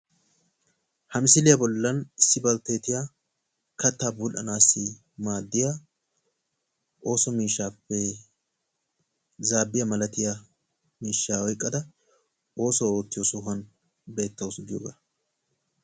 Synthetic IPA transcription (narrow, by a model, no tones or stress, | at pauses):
hɐmɪsɪlɪjɐbɔlːɐnɪsːɪbɐlt̪et̪ɪja | kɐt̪ːaːbulʔɐnaːsːɪ | maːd̪ːɪja | ʔo̞ːsɔmiːʃːaːpːɛ | zaːbːɪjɐmɐlɐt̪ɪja | miːʃːaːwɔjkʼːɐd̪ɐ | o̞ːsɔo̞ːt̪ːɪjɔsʊɦɐn | be̞ːt̪ːɐwʊsɡ̪ɪjoːɡaː